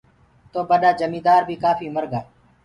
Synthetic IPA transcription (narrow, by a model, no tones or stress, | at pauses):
t̪oːbəɗaːd͡ʒəmĩːd̪aːɾbʱiːkaːfʰiːməɾɡaː